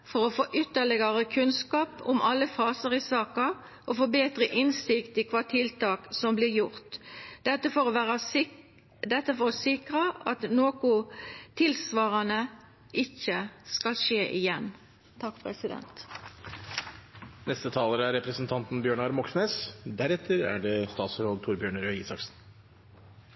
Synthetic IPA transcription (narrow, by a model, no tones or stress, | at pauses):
fɔʁɔfoːʔʏt̪ːəɭɪɡəʁəkʰʉnskɑːpʊmɑlːəfɑːsəʁɪsɑːkɑ | ʔɔfoːbeːt̪ʁəʔɪnsɪkt̪ɪkʰʋɑːt̪ʰɪlt̪ɑːksɔmblɪɾjʊʁt̪ɛt̪ːəfɔɾæʁɑ | d̪ɛt̪ːəfɔʁɔsɪkʁəʔɑt̪noːkʊt̪ʰɪlsʋɑːʁɑnə | ɪçəskɑlʃeːʔɪjɛn | t̪ʰɑkːpʰʁɛsɪd̪ɛ̰nt̪ | nɛst̪ət̪ʰɑːləɾəæɾɛpɾəsn̩t̪ʰɑnt̪nbjøːɳɑɾmɔksneːsd̪æɾɛt̪ʰːəɾæ̰ɖɛst̪ɑːt̪sɾolt̪ʰʊɾbjøːɳəɾœiːsɑksn̩